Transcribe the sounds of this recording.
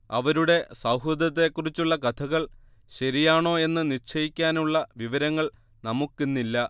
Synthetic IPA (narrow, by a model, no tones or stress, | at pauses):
ɐʋɐɾuɽe̞sɐwɦud̪ɐt̪ːe̞kːurit͡ɕːuɭːɐkɐt̪ʰɐɣɐɭ | ɕɐɾijaːɳo̞ːe̞nːɨnit͡ɕʰɐjikʲːaːnuɭːɐʋiʋɐɾɐŋːɐɭ | nɐmukːenːilːɐ